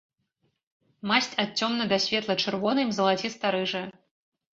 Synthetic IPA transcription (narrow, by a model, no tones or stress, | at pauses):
masʲt͡sʲat̪̚t͡sʲːɔmnɐd̪ɐsʲvʲɛt̪lˠɐt͡ʂɨrvɔnɨmzɐlˠat͡sʲist̪aɾɨʐɨ